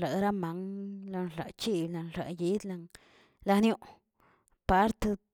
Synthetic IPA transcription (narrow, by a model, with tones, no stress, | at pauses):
a˨ɾa˦ma˨˦ŋla˧nla̰˨t͡ʃi˦bla˨nɾa̰˨ji˦d̪la˧ŋ | la˧njo˦˧ʔ | pa˨˦ɾt̪e˧